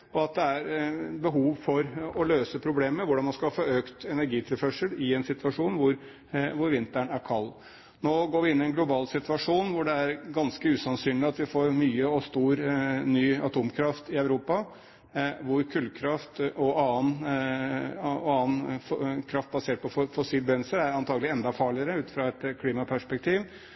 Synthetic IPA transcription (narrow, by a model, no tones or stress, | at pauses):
ɔɑt̪̚d̪ɛæɾbəɦuːʋfɔɾɔløːsəpʰɾʊbleːməɾʋʊɖɑnmɑnskɑhɑfoːøːkt̪ɛnæɾɡiːt̪ʰɪlfœʂəlɪɛnsɪt̪ʋɑʂuːnʋʊɾ | ʋʊɾʋɪnt̪əɳæɾkʰɑlː | noːɡoːɾʋɪɪnːɪɛnɡlʊbɑːlsɪt̪ʋɑʂuːnʋʊɖɛæɾɡɑnskəʉːsɑnsyːnlɪɑt̪ʋɪfoːɾmyːəɔst̪uːɾnyːɑt̪ʰuːmkʰɾɑft̪ɪœʉɾuːpɑ | ʋʊɾkʰʉlkʰɾɑft̪ɔʔɑːən | ɔɑːənkʰɾɑft̪̚bɑseːʈ̚pɔfɔsiːlbɛnl̩səæɾɑnt̪ʰɑːɡəlɪɛnd̪ɑfɑːɭɪəɾəʉːt̪fɾɑɛt̪kʰliːmɑpʰæʂpɛk̚t̪ʰiːʋ